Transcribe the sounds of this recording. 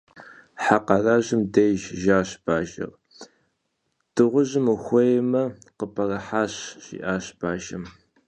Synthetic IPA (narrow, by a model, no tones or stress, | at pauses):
ħaqɑraːʑɪmdejʒʒaːɕb̥aːʒɐ̰r | d̥ɨʁʷʊʑɪmuxʷejmɐqəpʰɐrɐħaːɕɕḭːʔaːɕb̥aːʒɐm